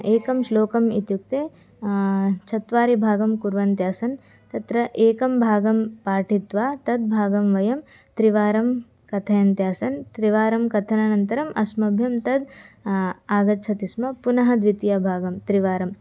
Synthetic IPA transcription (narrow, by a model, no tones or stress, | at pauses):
eːkɐmʃloːkɐmit̪juk̚t̪eː | t͡ʃʰɐt̪ʋaːɾibʱaːɡɐmkuɾʋɐnt̪jaːsɐn | t̪ɐt̪ɾɐʔeːkɐmbʱaːɡɐmpaːʈʰit̪ʋaːt̪ɐd̪̚bʱaːɡɐmʋɐjɐm | t̪ɾiʋaːɾɐm | kɐt̪ʰɐjɐnt̪jaːsɐnt̪ɾiʋaːɾɐmkɐt̪ʰɐnɐnɐnt̪ɐɾɐmʔɐsmɐbʱjɐmt̪ɐd̪ | aːɡɐtt͡ʃʰɐt̪ismɐpunɐɦɐd̪ʋit̪jabʱaːɡɐmt̪ɾiʋaːɾɐm